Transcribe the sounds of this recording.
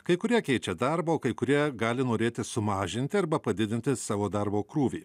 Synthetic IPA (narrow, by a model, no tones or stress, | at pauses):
kɐɪkʊɾʲiɛkʲɛɪt͡ʃʲɛd̪ɑɾboːkɐɪkʊɾʲiɛɡɑːlʲɪnoːɾʲeːt̪ʲɪsʊmɑːʒʲɪnʲt̪ʲɪɐɾbɐpɐd̪ʲɪd̪ʲɪnʲt̪ʲɪsɑːʋoːd̪ɐɾboːkɾuːʋʲḭː